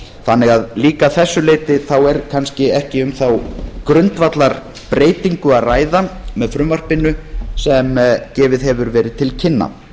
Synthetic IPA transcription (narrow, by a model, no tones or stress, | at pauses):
θanːɪɣaðliːkaθɛsːʏleːjt̪ɪθawɛɾkʰanscɪɛhcɪʏmθawkɾʏnt̪vat̪laɾ | pɾeːjt̪iŋkʏaðraːjðamɛðfɾʏmvar̥pɪnʏsɛmcɛːvɪðɦɛvʏɾvɛːɾɪðt̪ʰɪlcʰɪnːa̰